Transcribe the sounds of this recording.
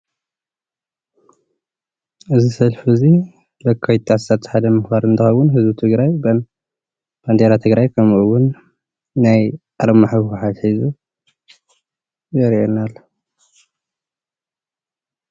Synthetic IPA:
ʔɨzisɐlfizi | lɐkʰːawt̪ʰassat̪ːħad̪ɐmɨxbaɾɨnt̪ʰɨxɐwʊnɦɨzbut̪ʰɨɡɾajban | b̥and̪eɾat̪ʰɨɡɾajkʰɐmuʔuwʊnː | ajʔaɾɐmaħakuħat̪ħizu | jɐɾʔenalːɐ

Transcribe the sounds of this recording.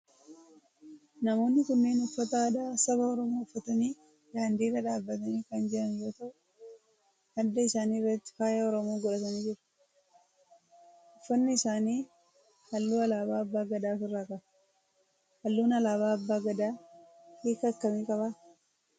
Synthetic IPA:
nɐmo̞ːnːɪkʊnːeːnɔfːɐt̪ɐːd̪aːsɐbɐɔɾɔmoːʊfːɐt̪ɐniː | daːnd̪iːrɐᶑaːbːɐt̪ɐniːkɐnd͡ʒɛʔɐnjo̞ːt̪ɐʔʊ | hɐd̪ːɐɪsaːniːrːɐt̪ːɪ̥faːjɐɔɾɔmoːɡɔᶑɐt̪ɐniːd͡ʒɪɾɐ̥ | ʔɔfːɐnːɪɪsaːniː | hɐlːuːɐlaːbaːɐbːaːɡɐd̪aːfɪrːaːkɐ | hɐlːuːnɐlaːβaːbːaːɡɐd̪aː | kiːkɐkːɐmiːkʼɐβa

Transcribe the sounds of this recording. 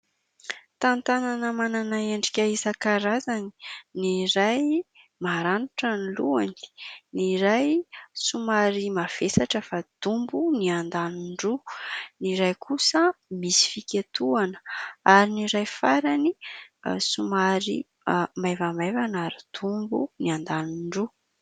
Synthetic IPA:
t̪ant̪ananəmananaeɳɖ͡ʐikʲaizakaɾazani̥niɾaj | maɾanuʈ͡ʂəniluani̥niɾajsumaɾimav̥esaʈ͡ʂəfad̪̥umbuniand̪aniɳɖ͡ʐuniɾajkʰusəmisi̥fikʲet̪uanə̥aɾiniɾajfaɾani | sumaɾi | majvamajvanaɾid̪̥umbṵniand̪aniɳɖ͡ʐu

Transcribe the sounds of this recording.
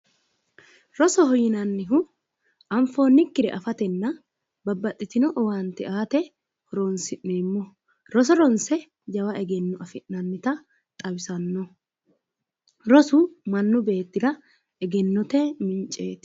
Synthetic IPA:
ɾɔsɔhɔjɪnɐnːɪɦʊ | ʔɐmfo̞ːnːɪkːɪɾɛ̰ʔɐfɐt̪ɛnːɐ | bɐbːɐt̪ʼːɪt̪ɪnɔʔɔwant̪ɛʔaːt̪ɛ | hɔɾoːnsɪʔːeːmːɔ | ɾɔs̬ɔɾɔnsɛ | d͡ʒɐwɐʔɛɡɛnːɔɐfɪʔnɐnːɪt̪ɐ | t̪ʼɐbɪsɐnːɔ | ɾɔsʊmɐnːʊbe̞ːt̪ːɪd̪ɐ | ɛɡɛnːɔt̪ɛmɪnt͡ʃʼe̞ːt̪

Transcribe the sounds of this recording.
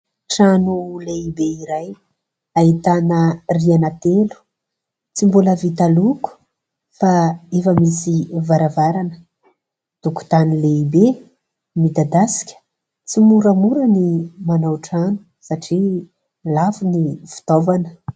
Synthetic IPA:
ʈ͡ʂanuleibeiɾaj | aɦit̪anərianat̪elu̥ | t͡simbuləvit̪aluku̥ | faefəmisivaɾavaɾanə̥ | d̪̥uku̥t̪anileibe | mid̪ad̪asi̥kʲə̥ | t͡simuɾəmuɾənimanawʈ͡ʂanu̥ | saʈ͡ʂi | lafuniv̥u̥t̪ovanə̥

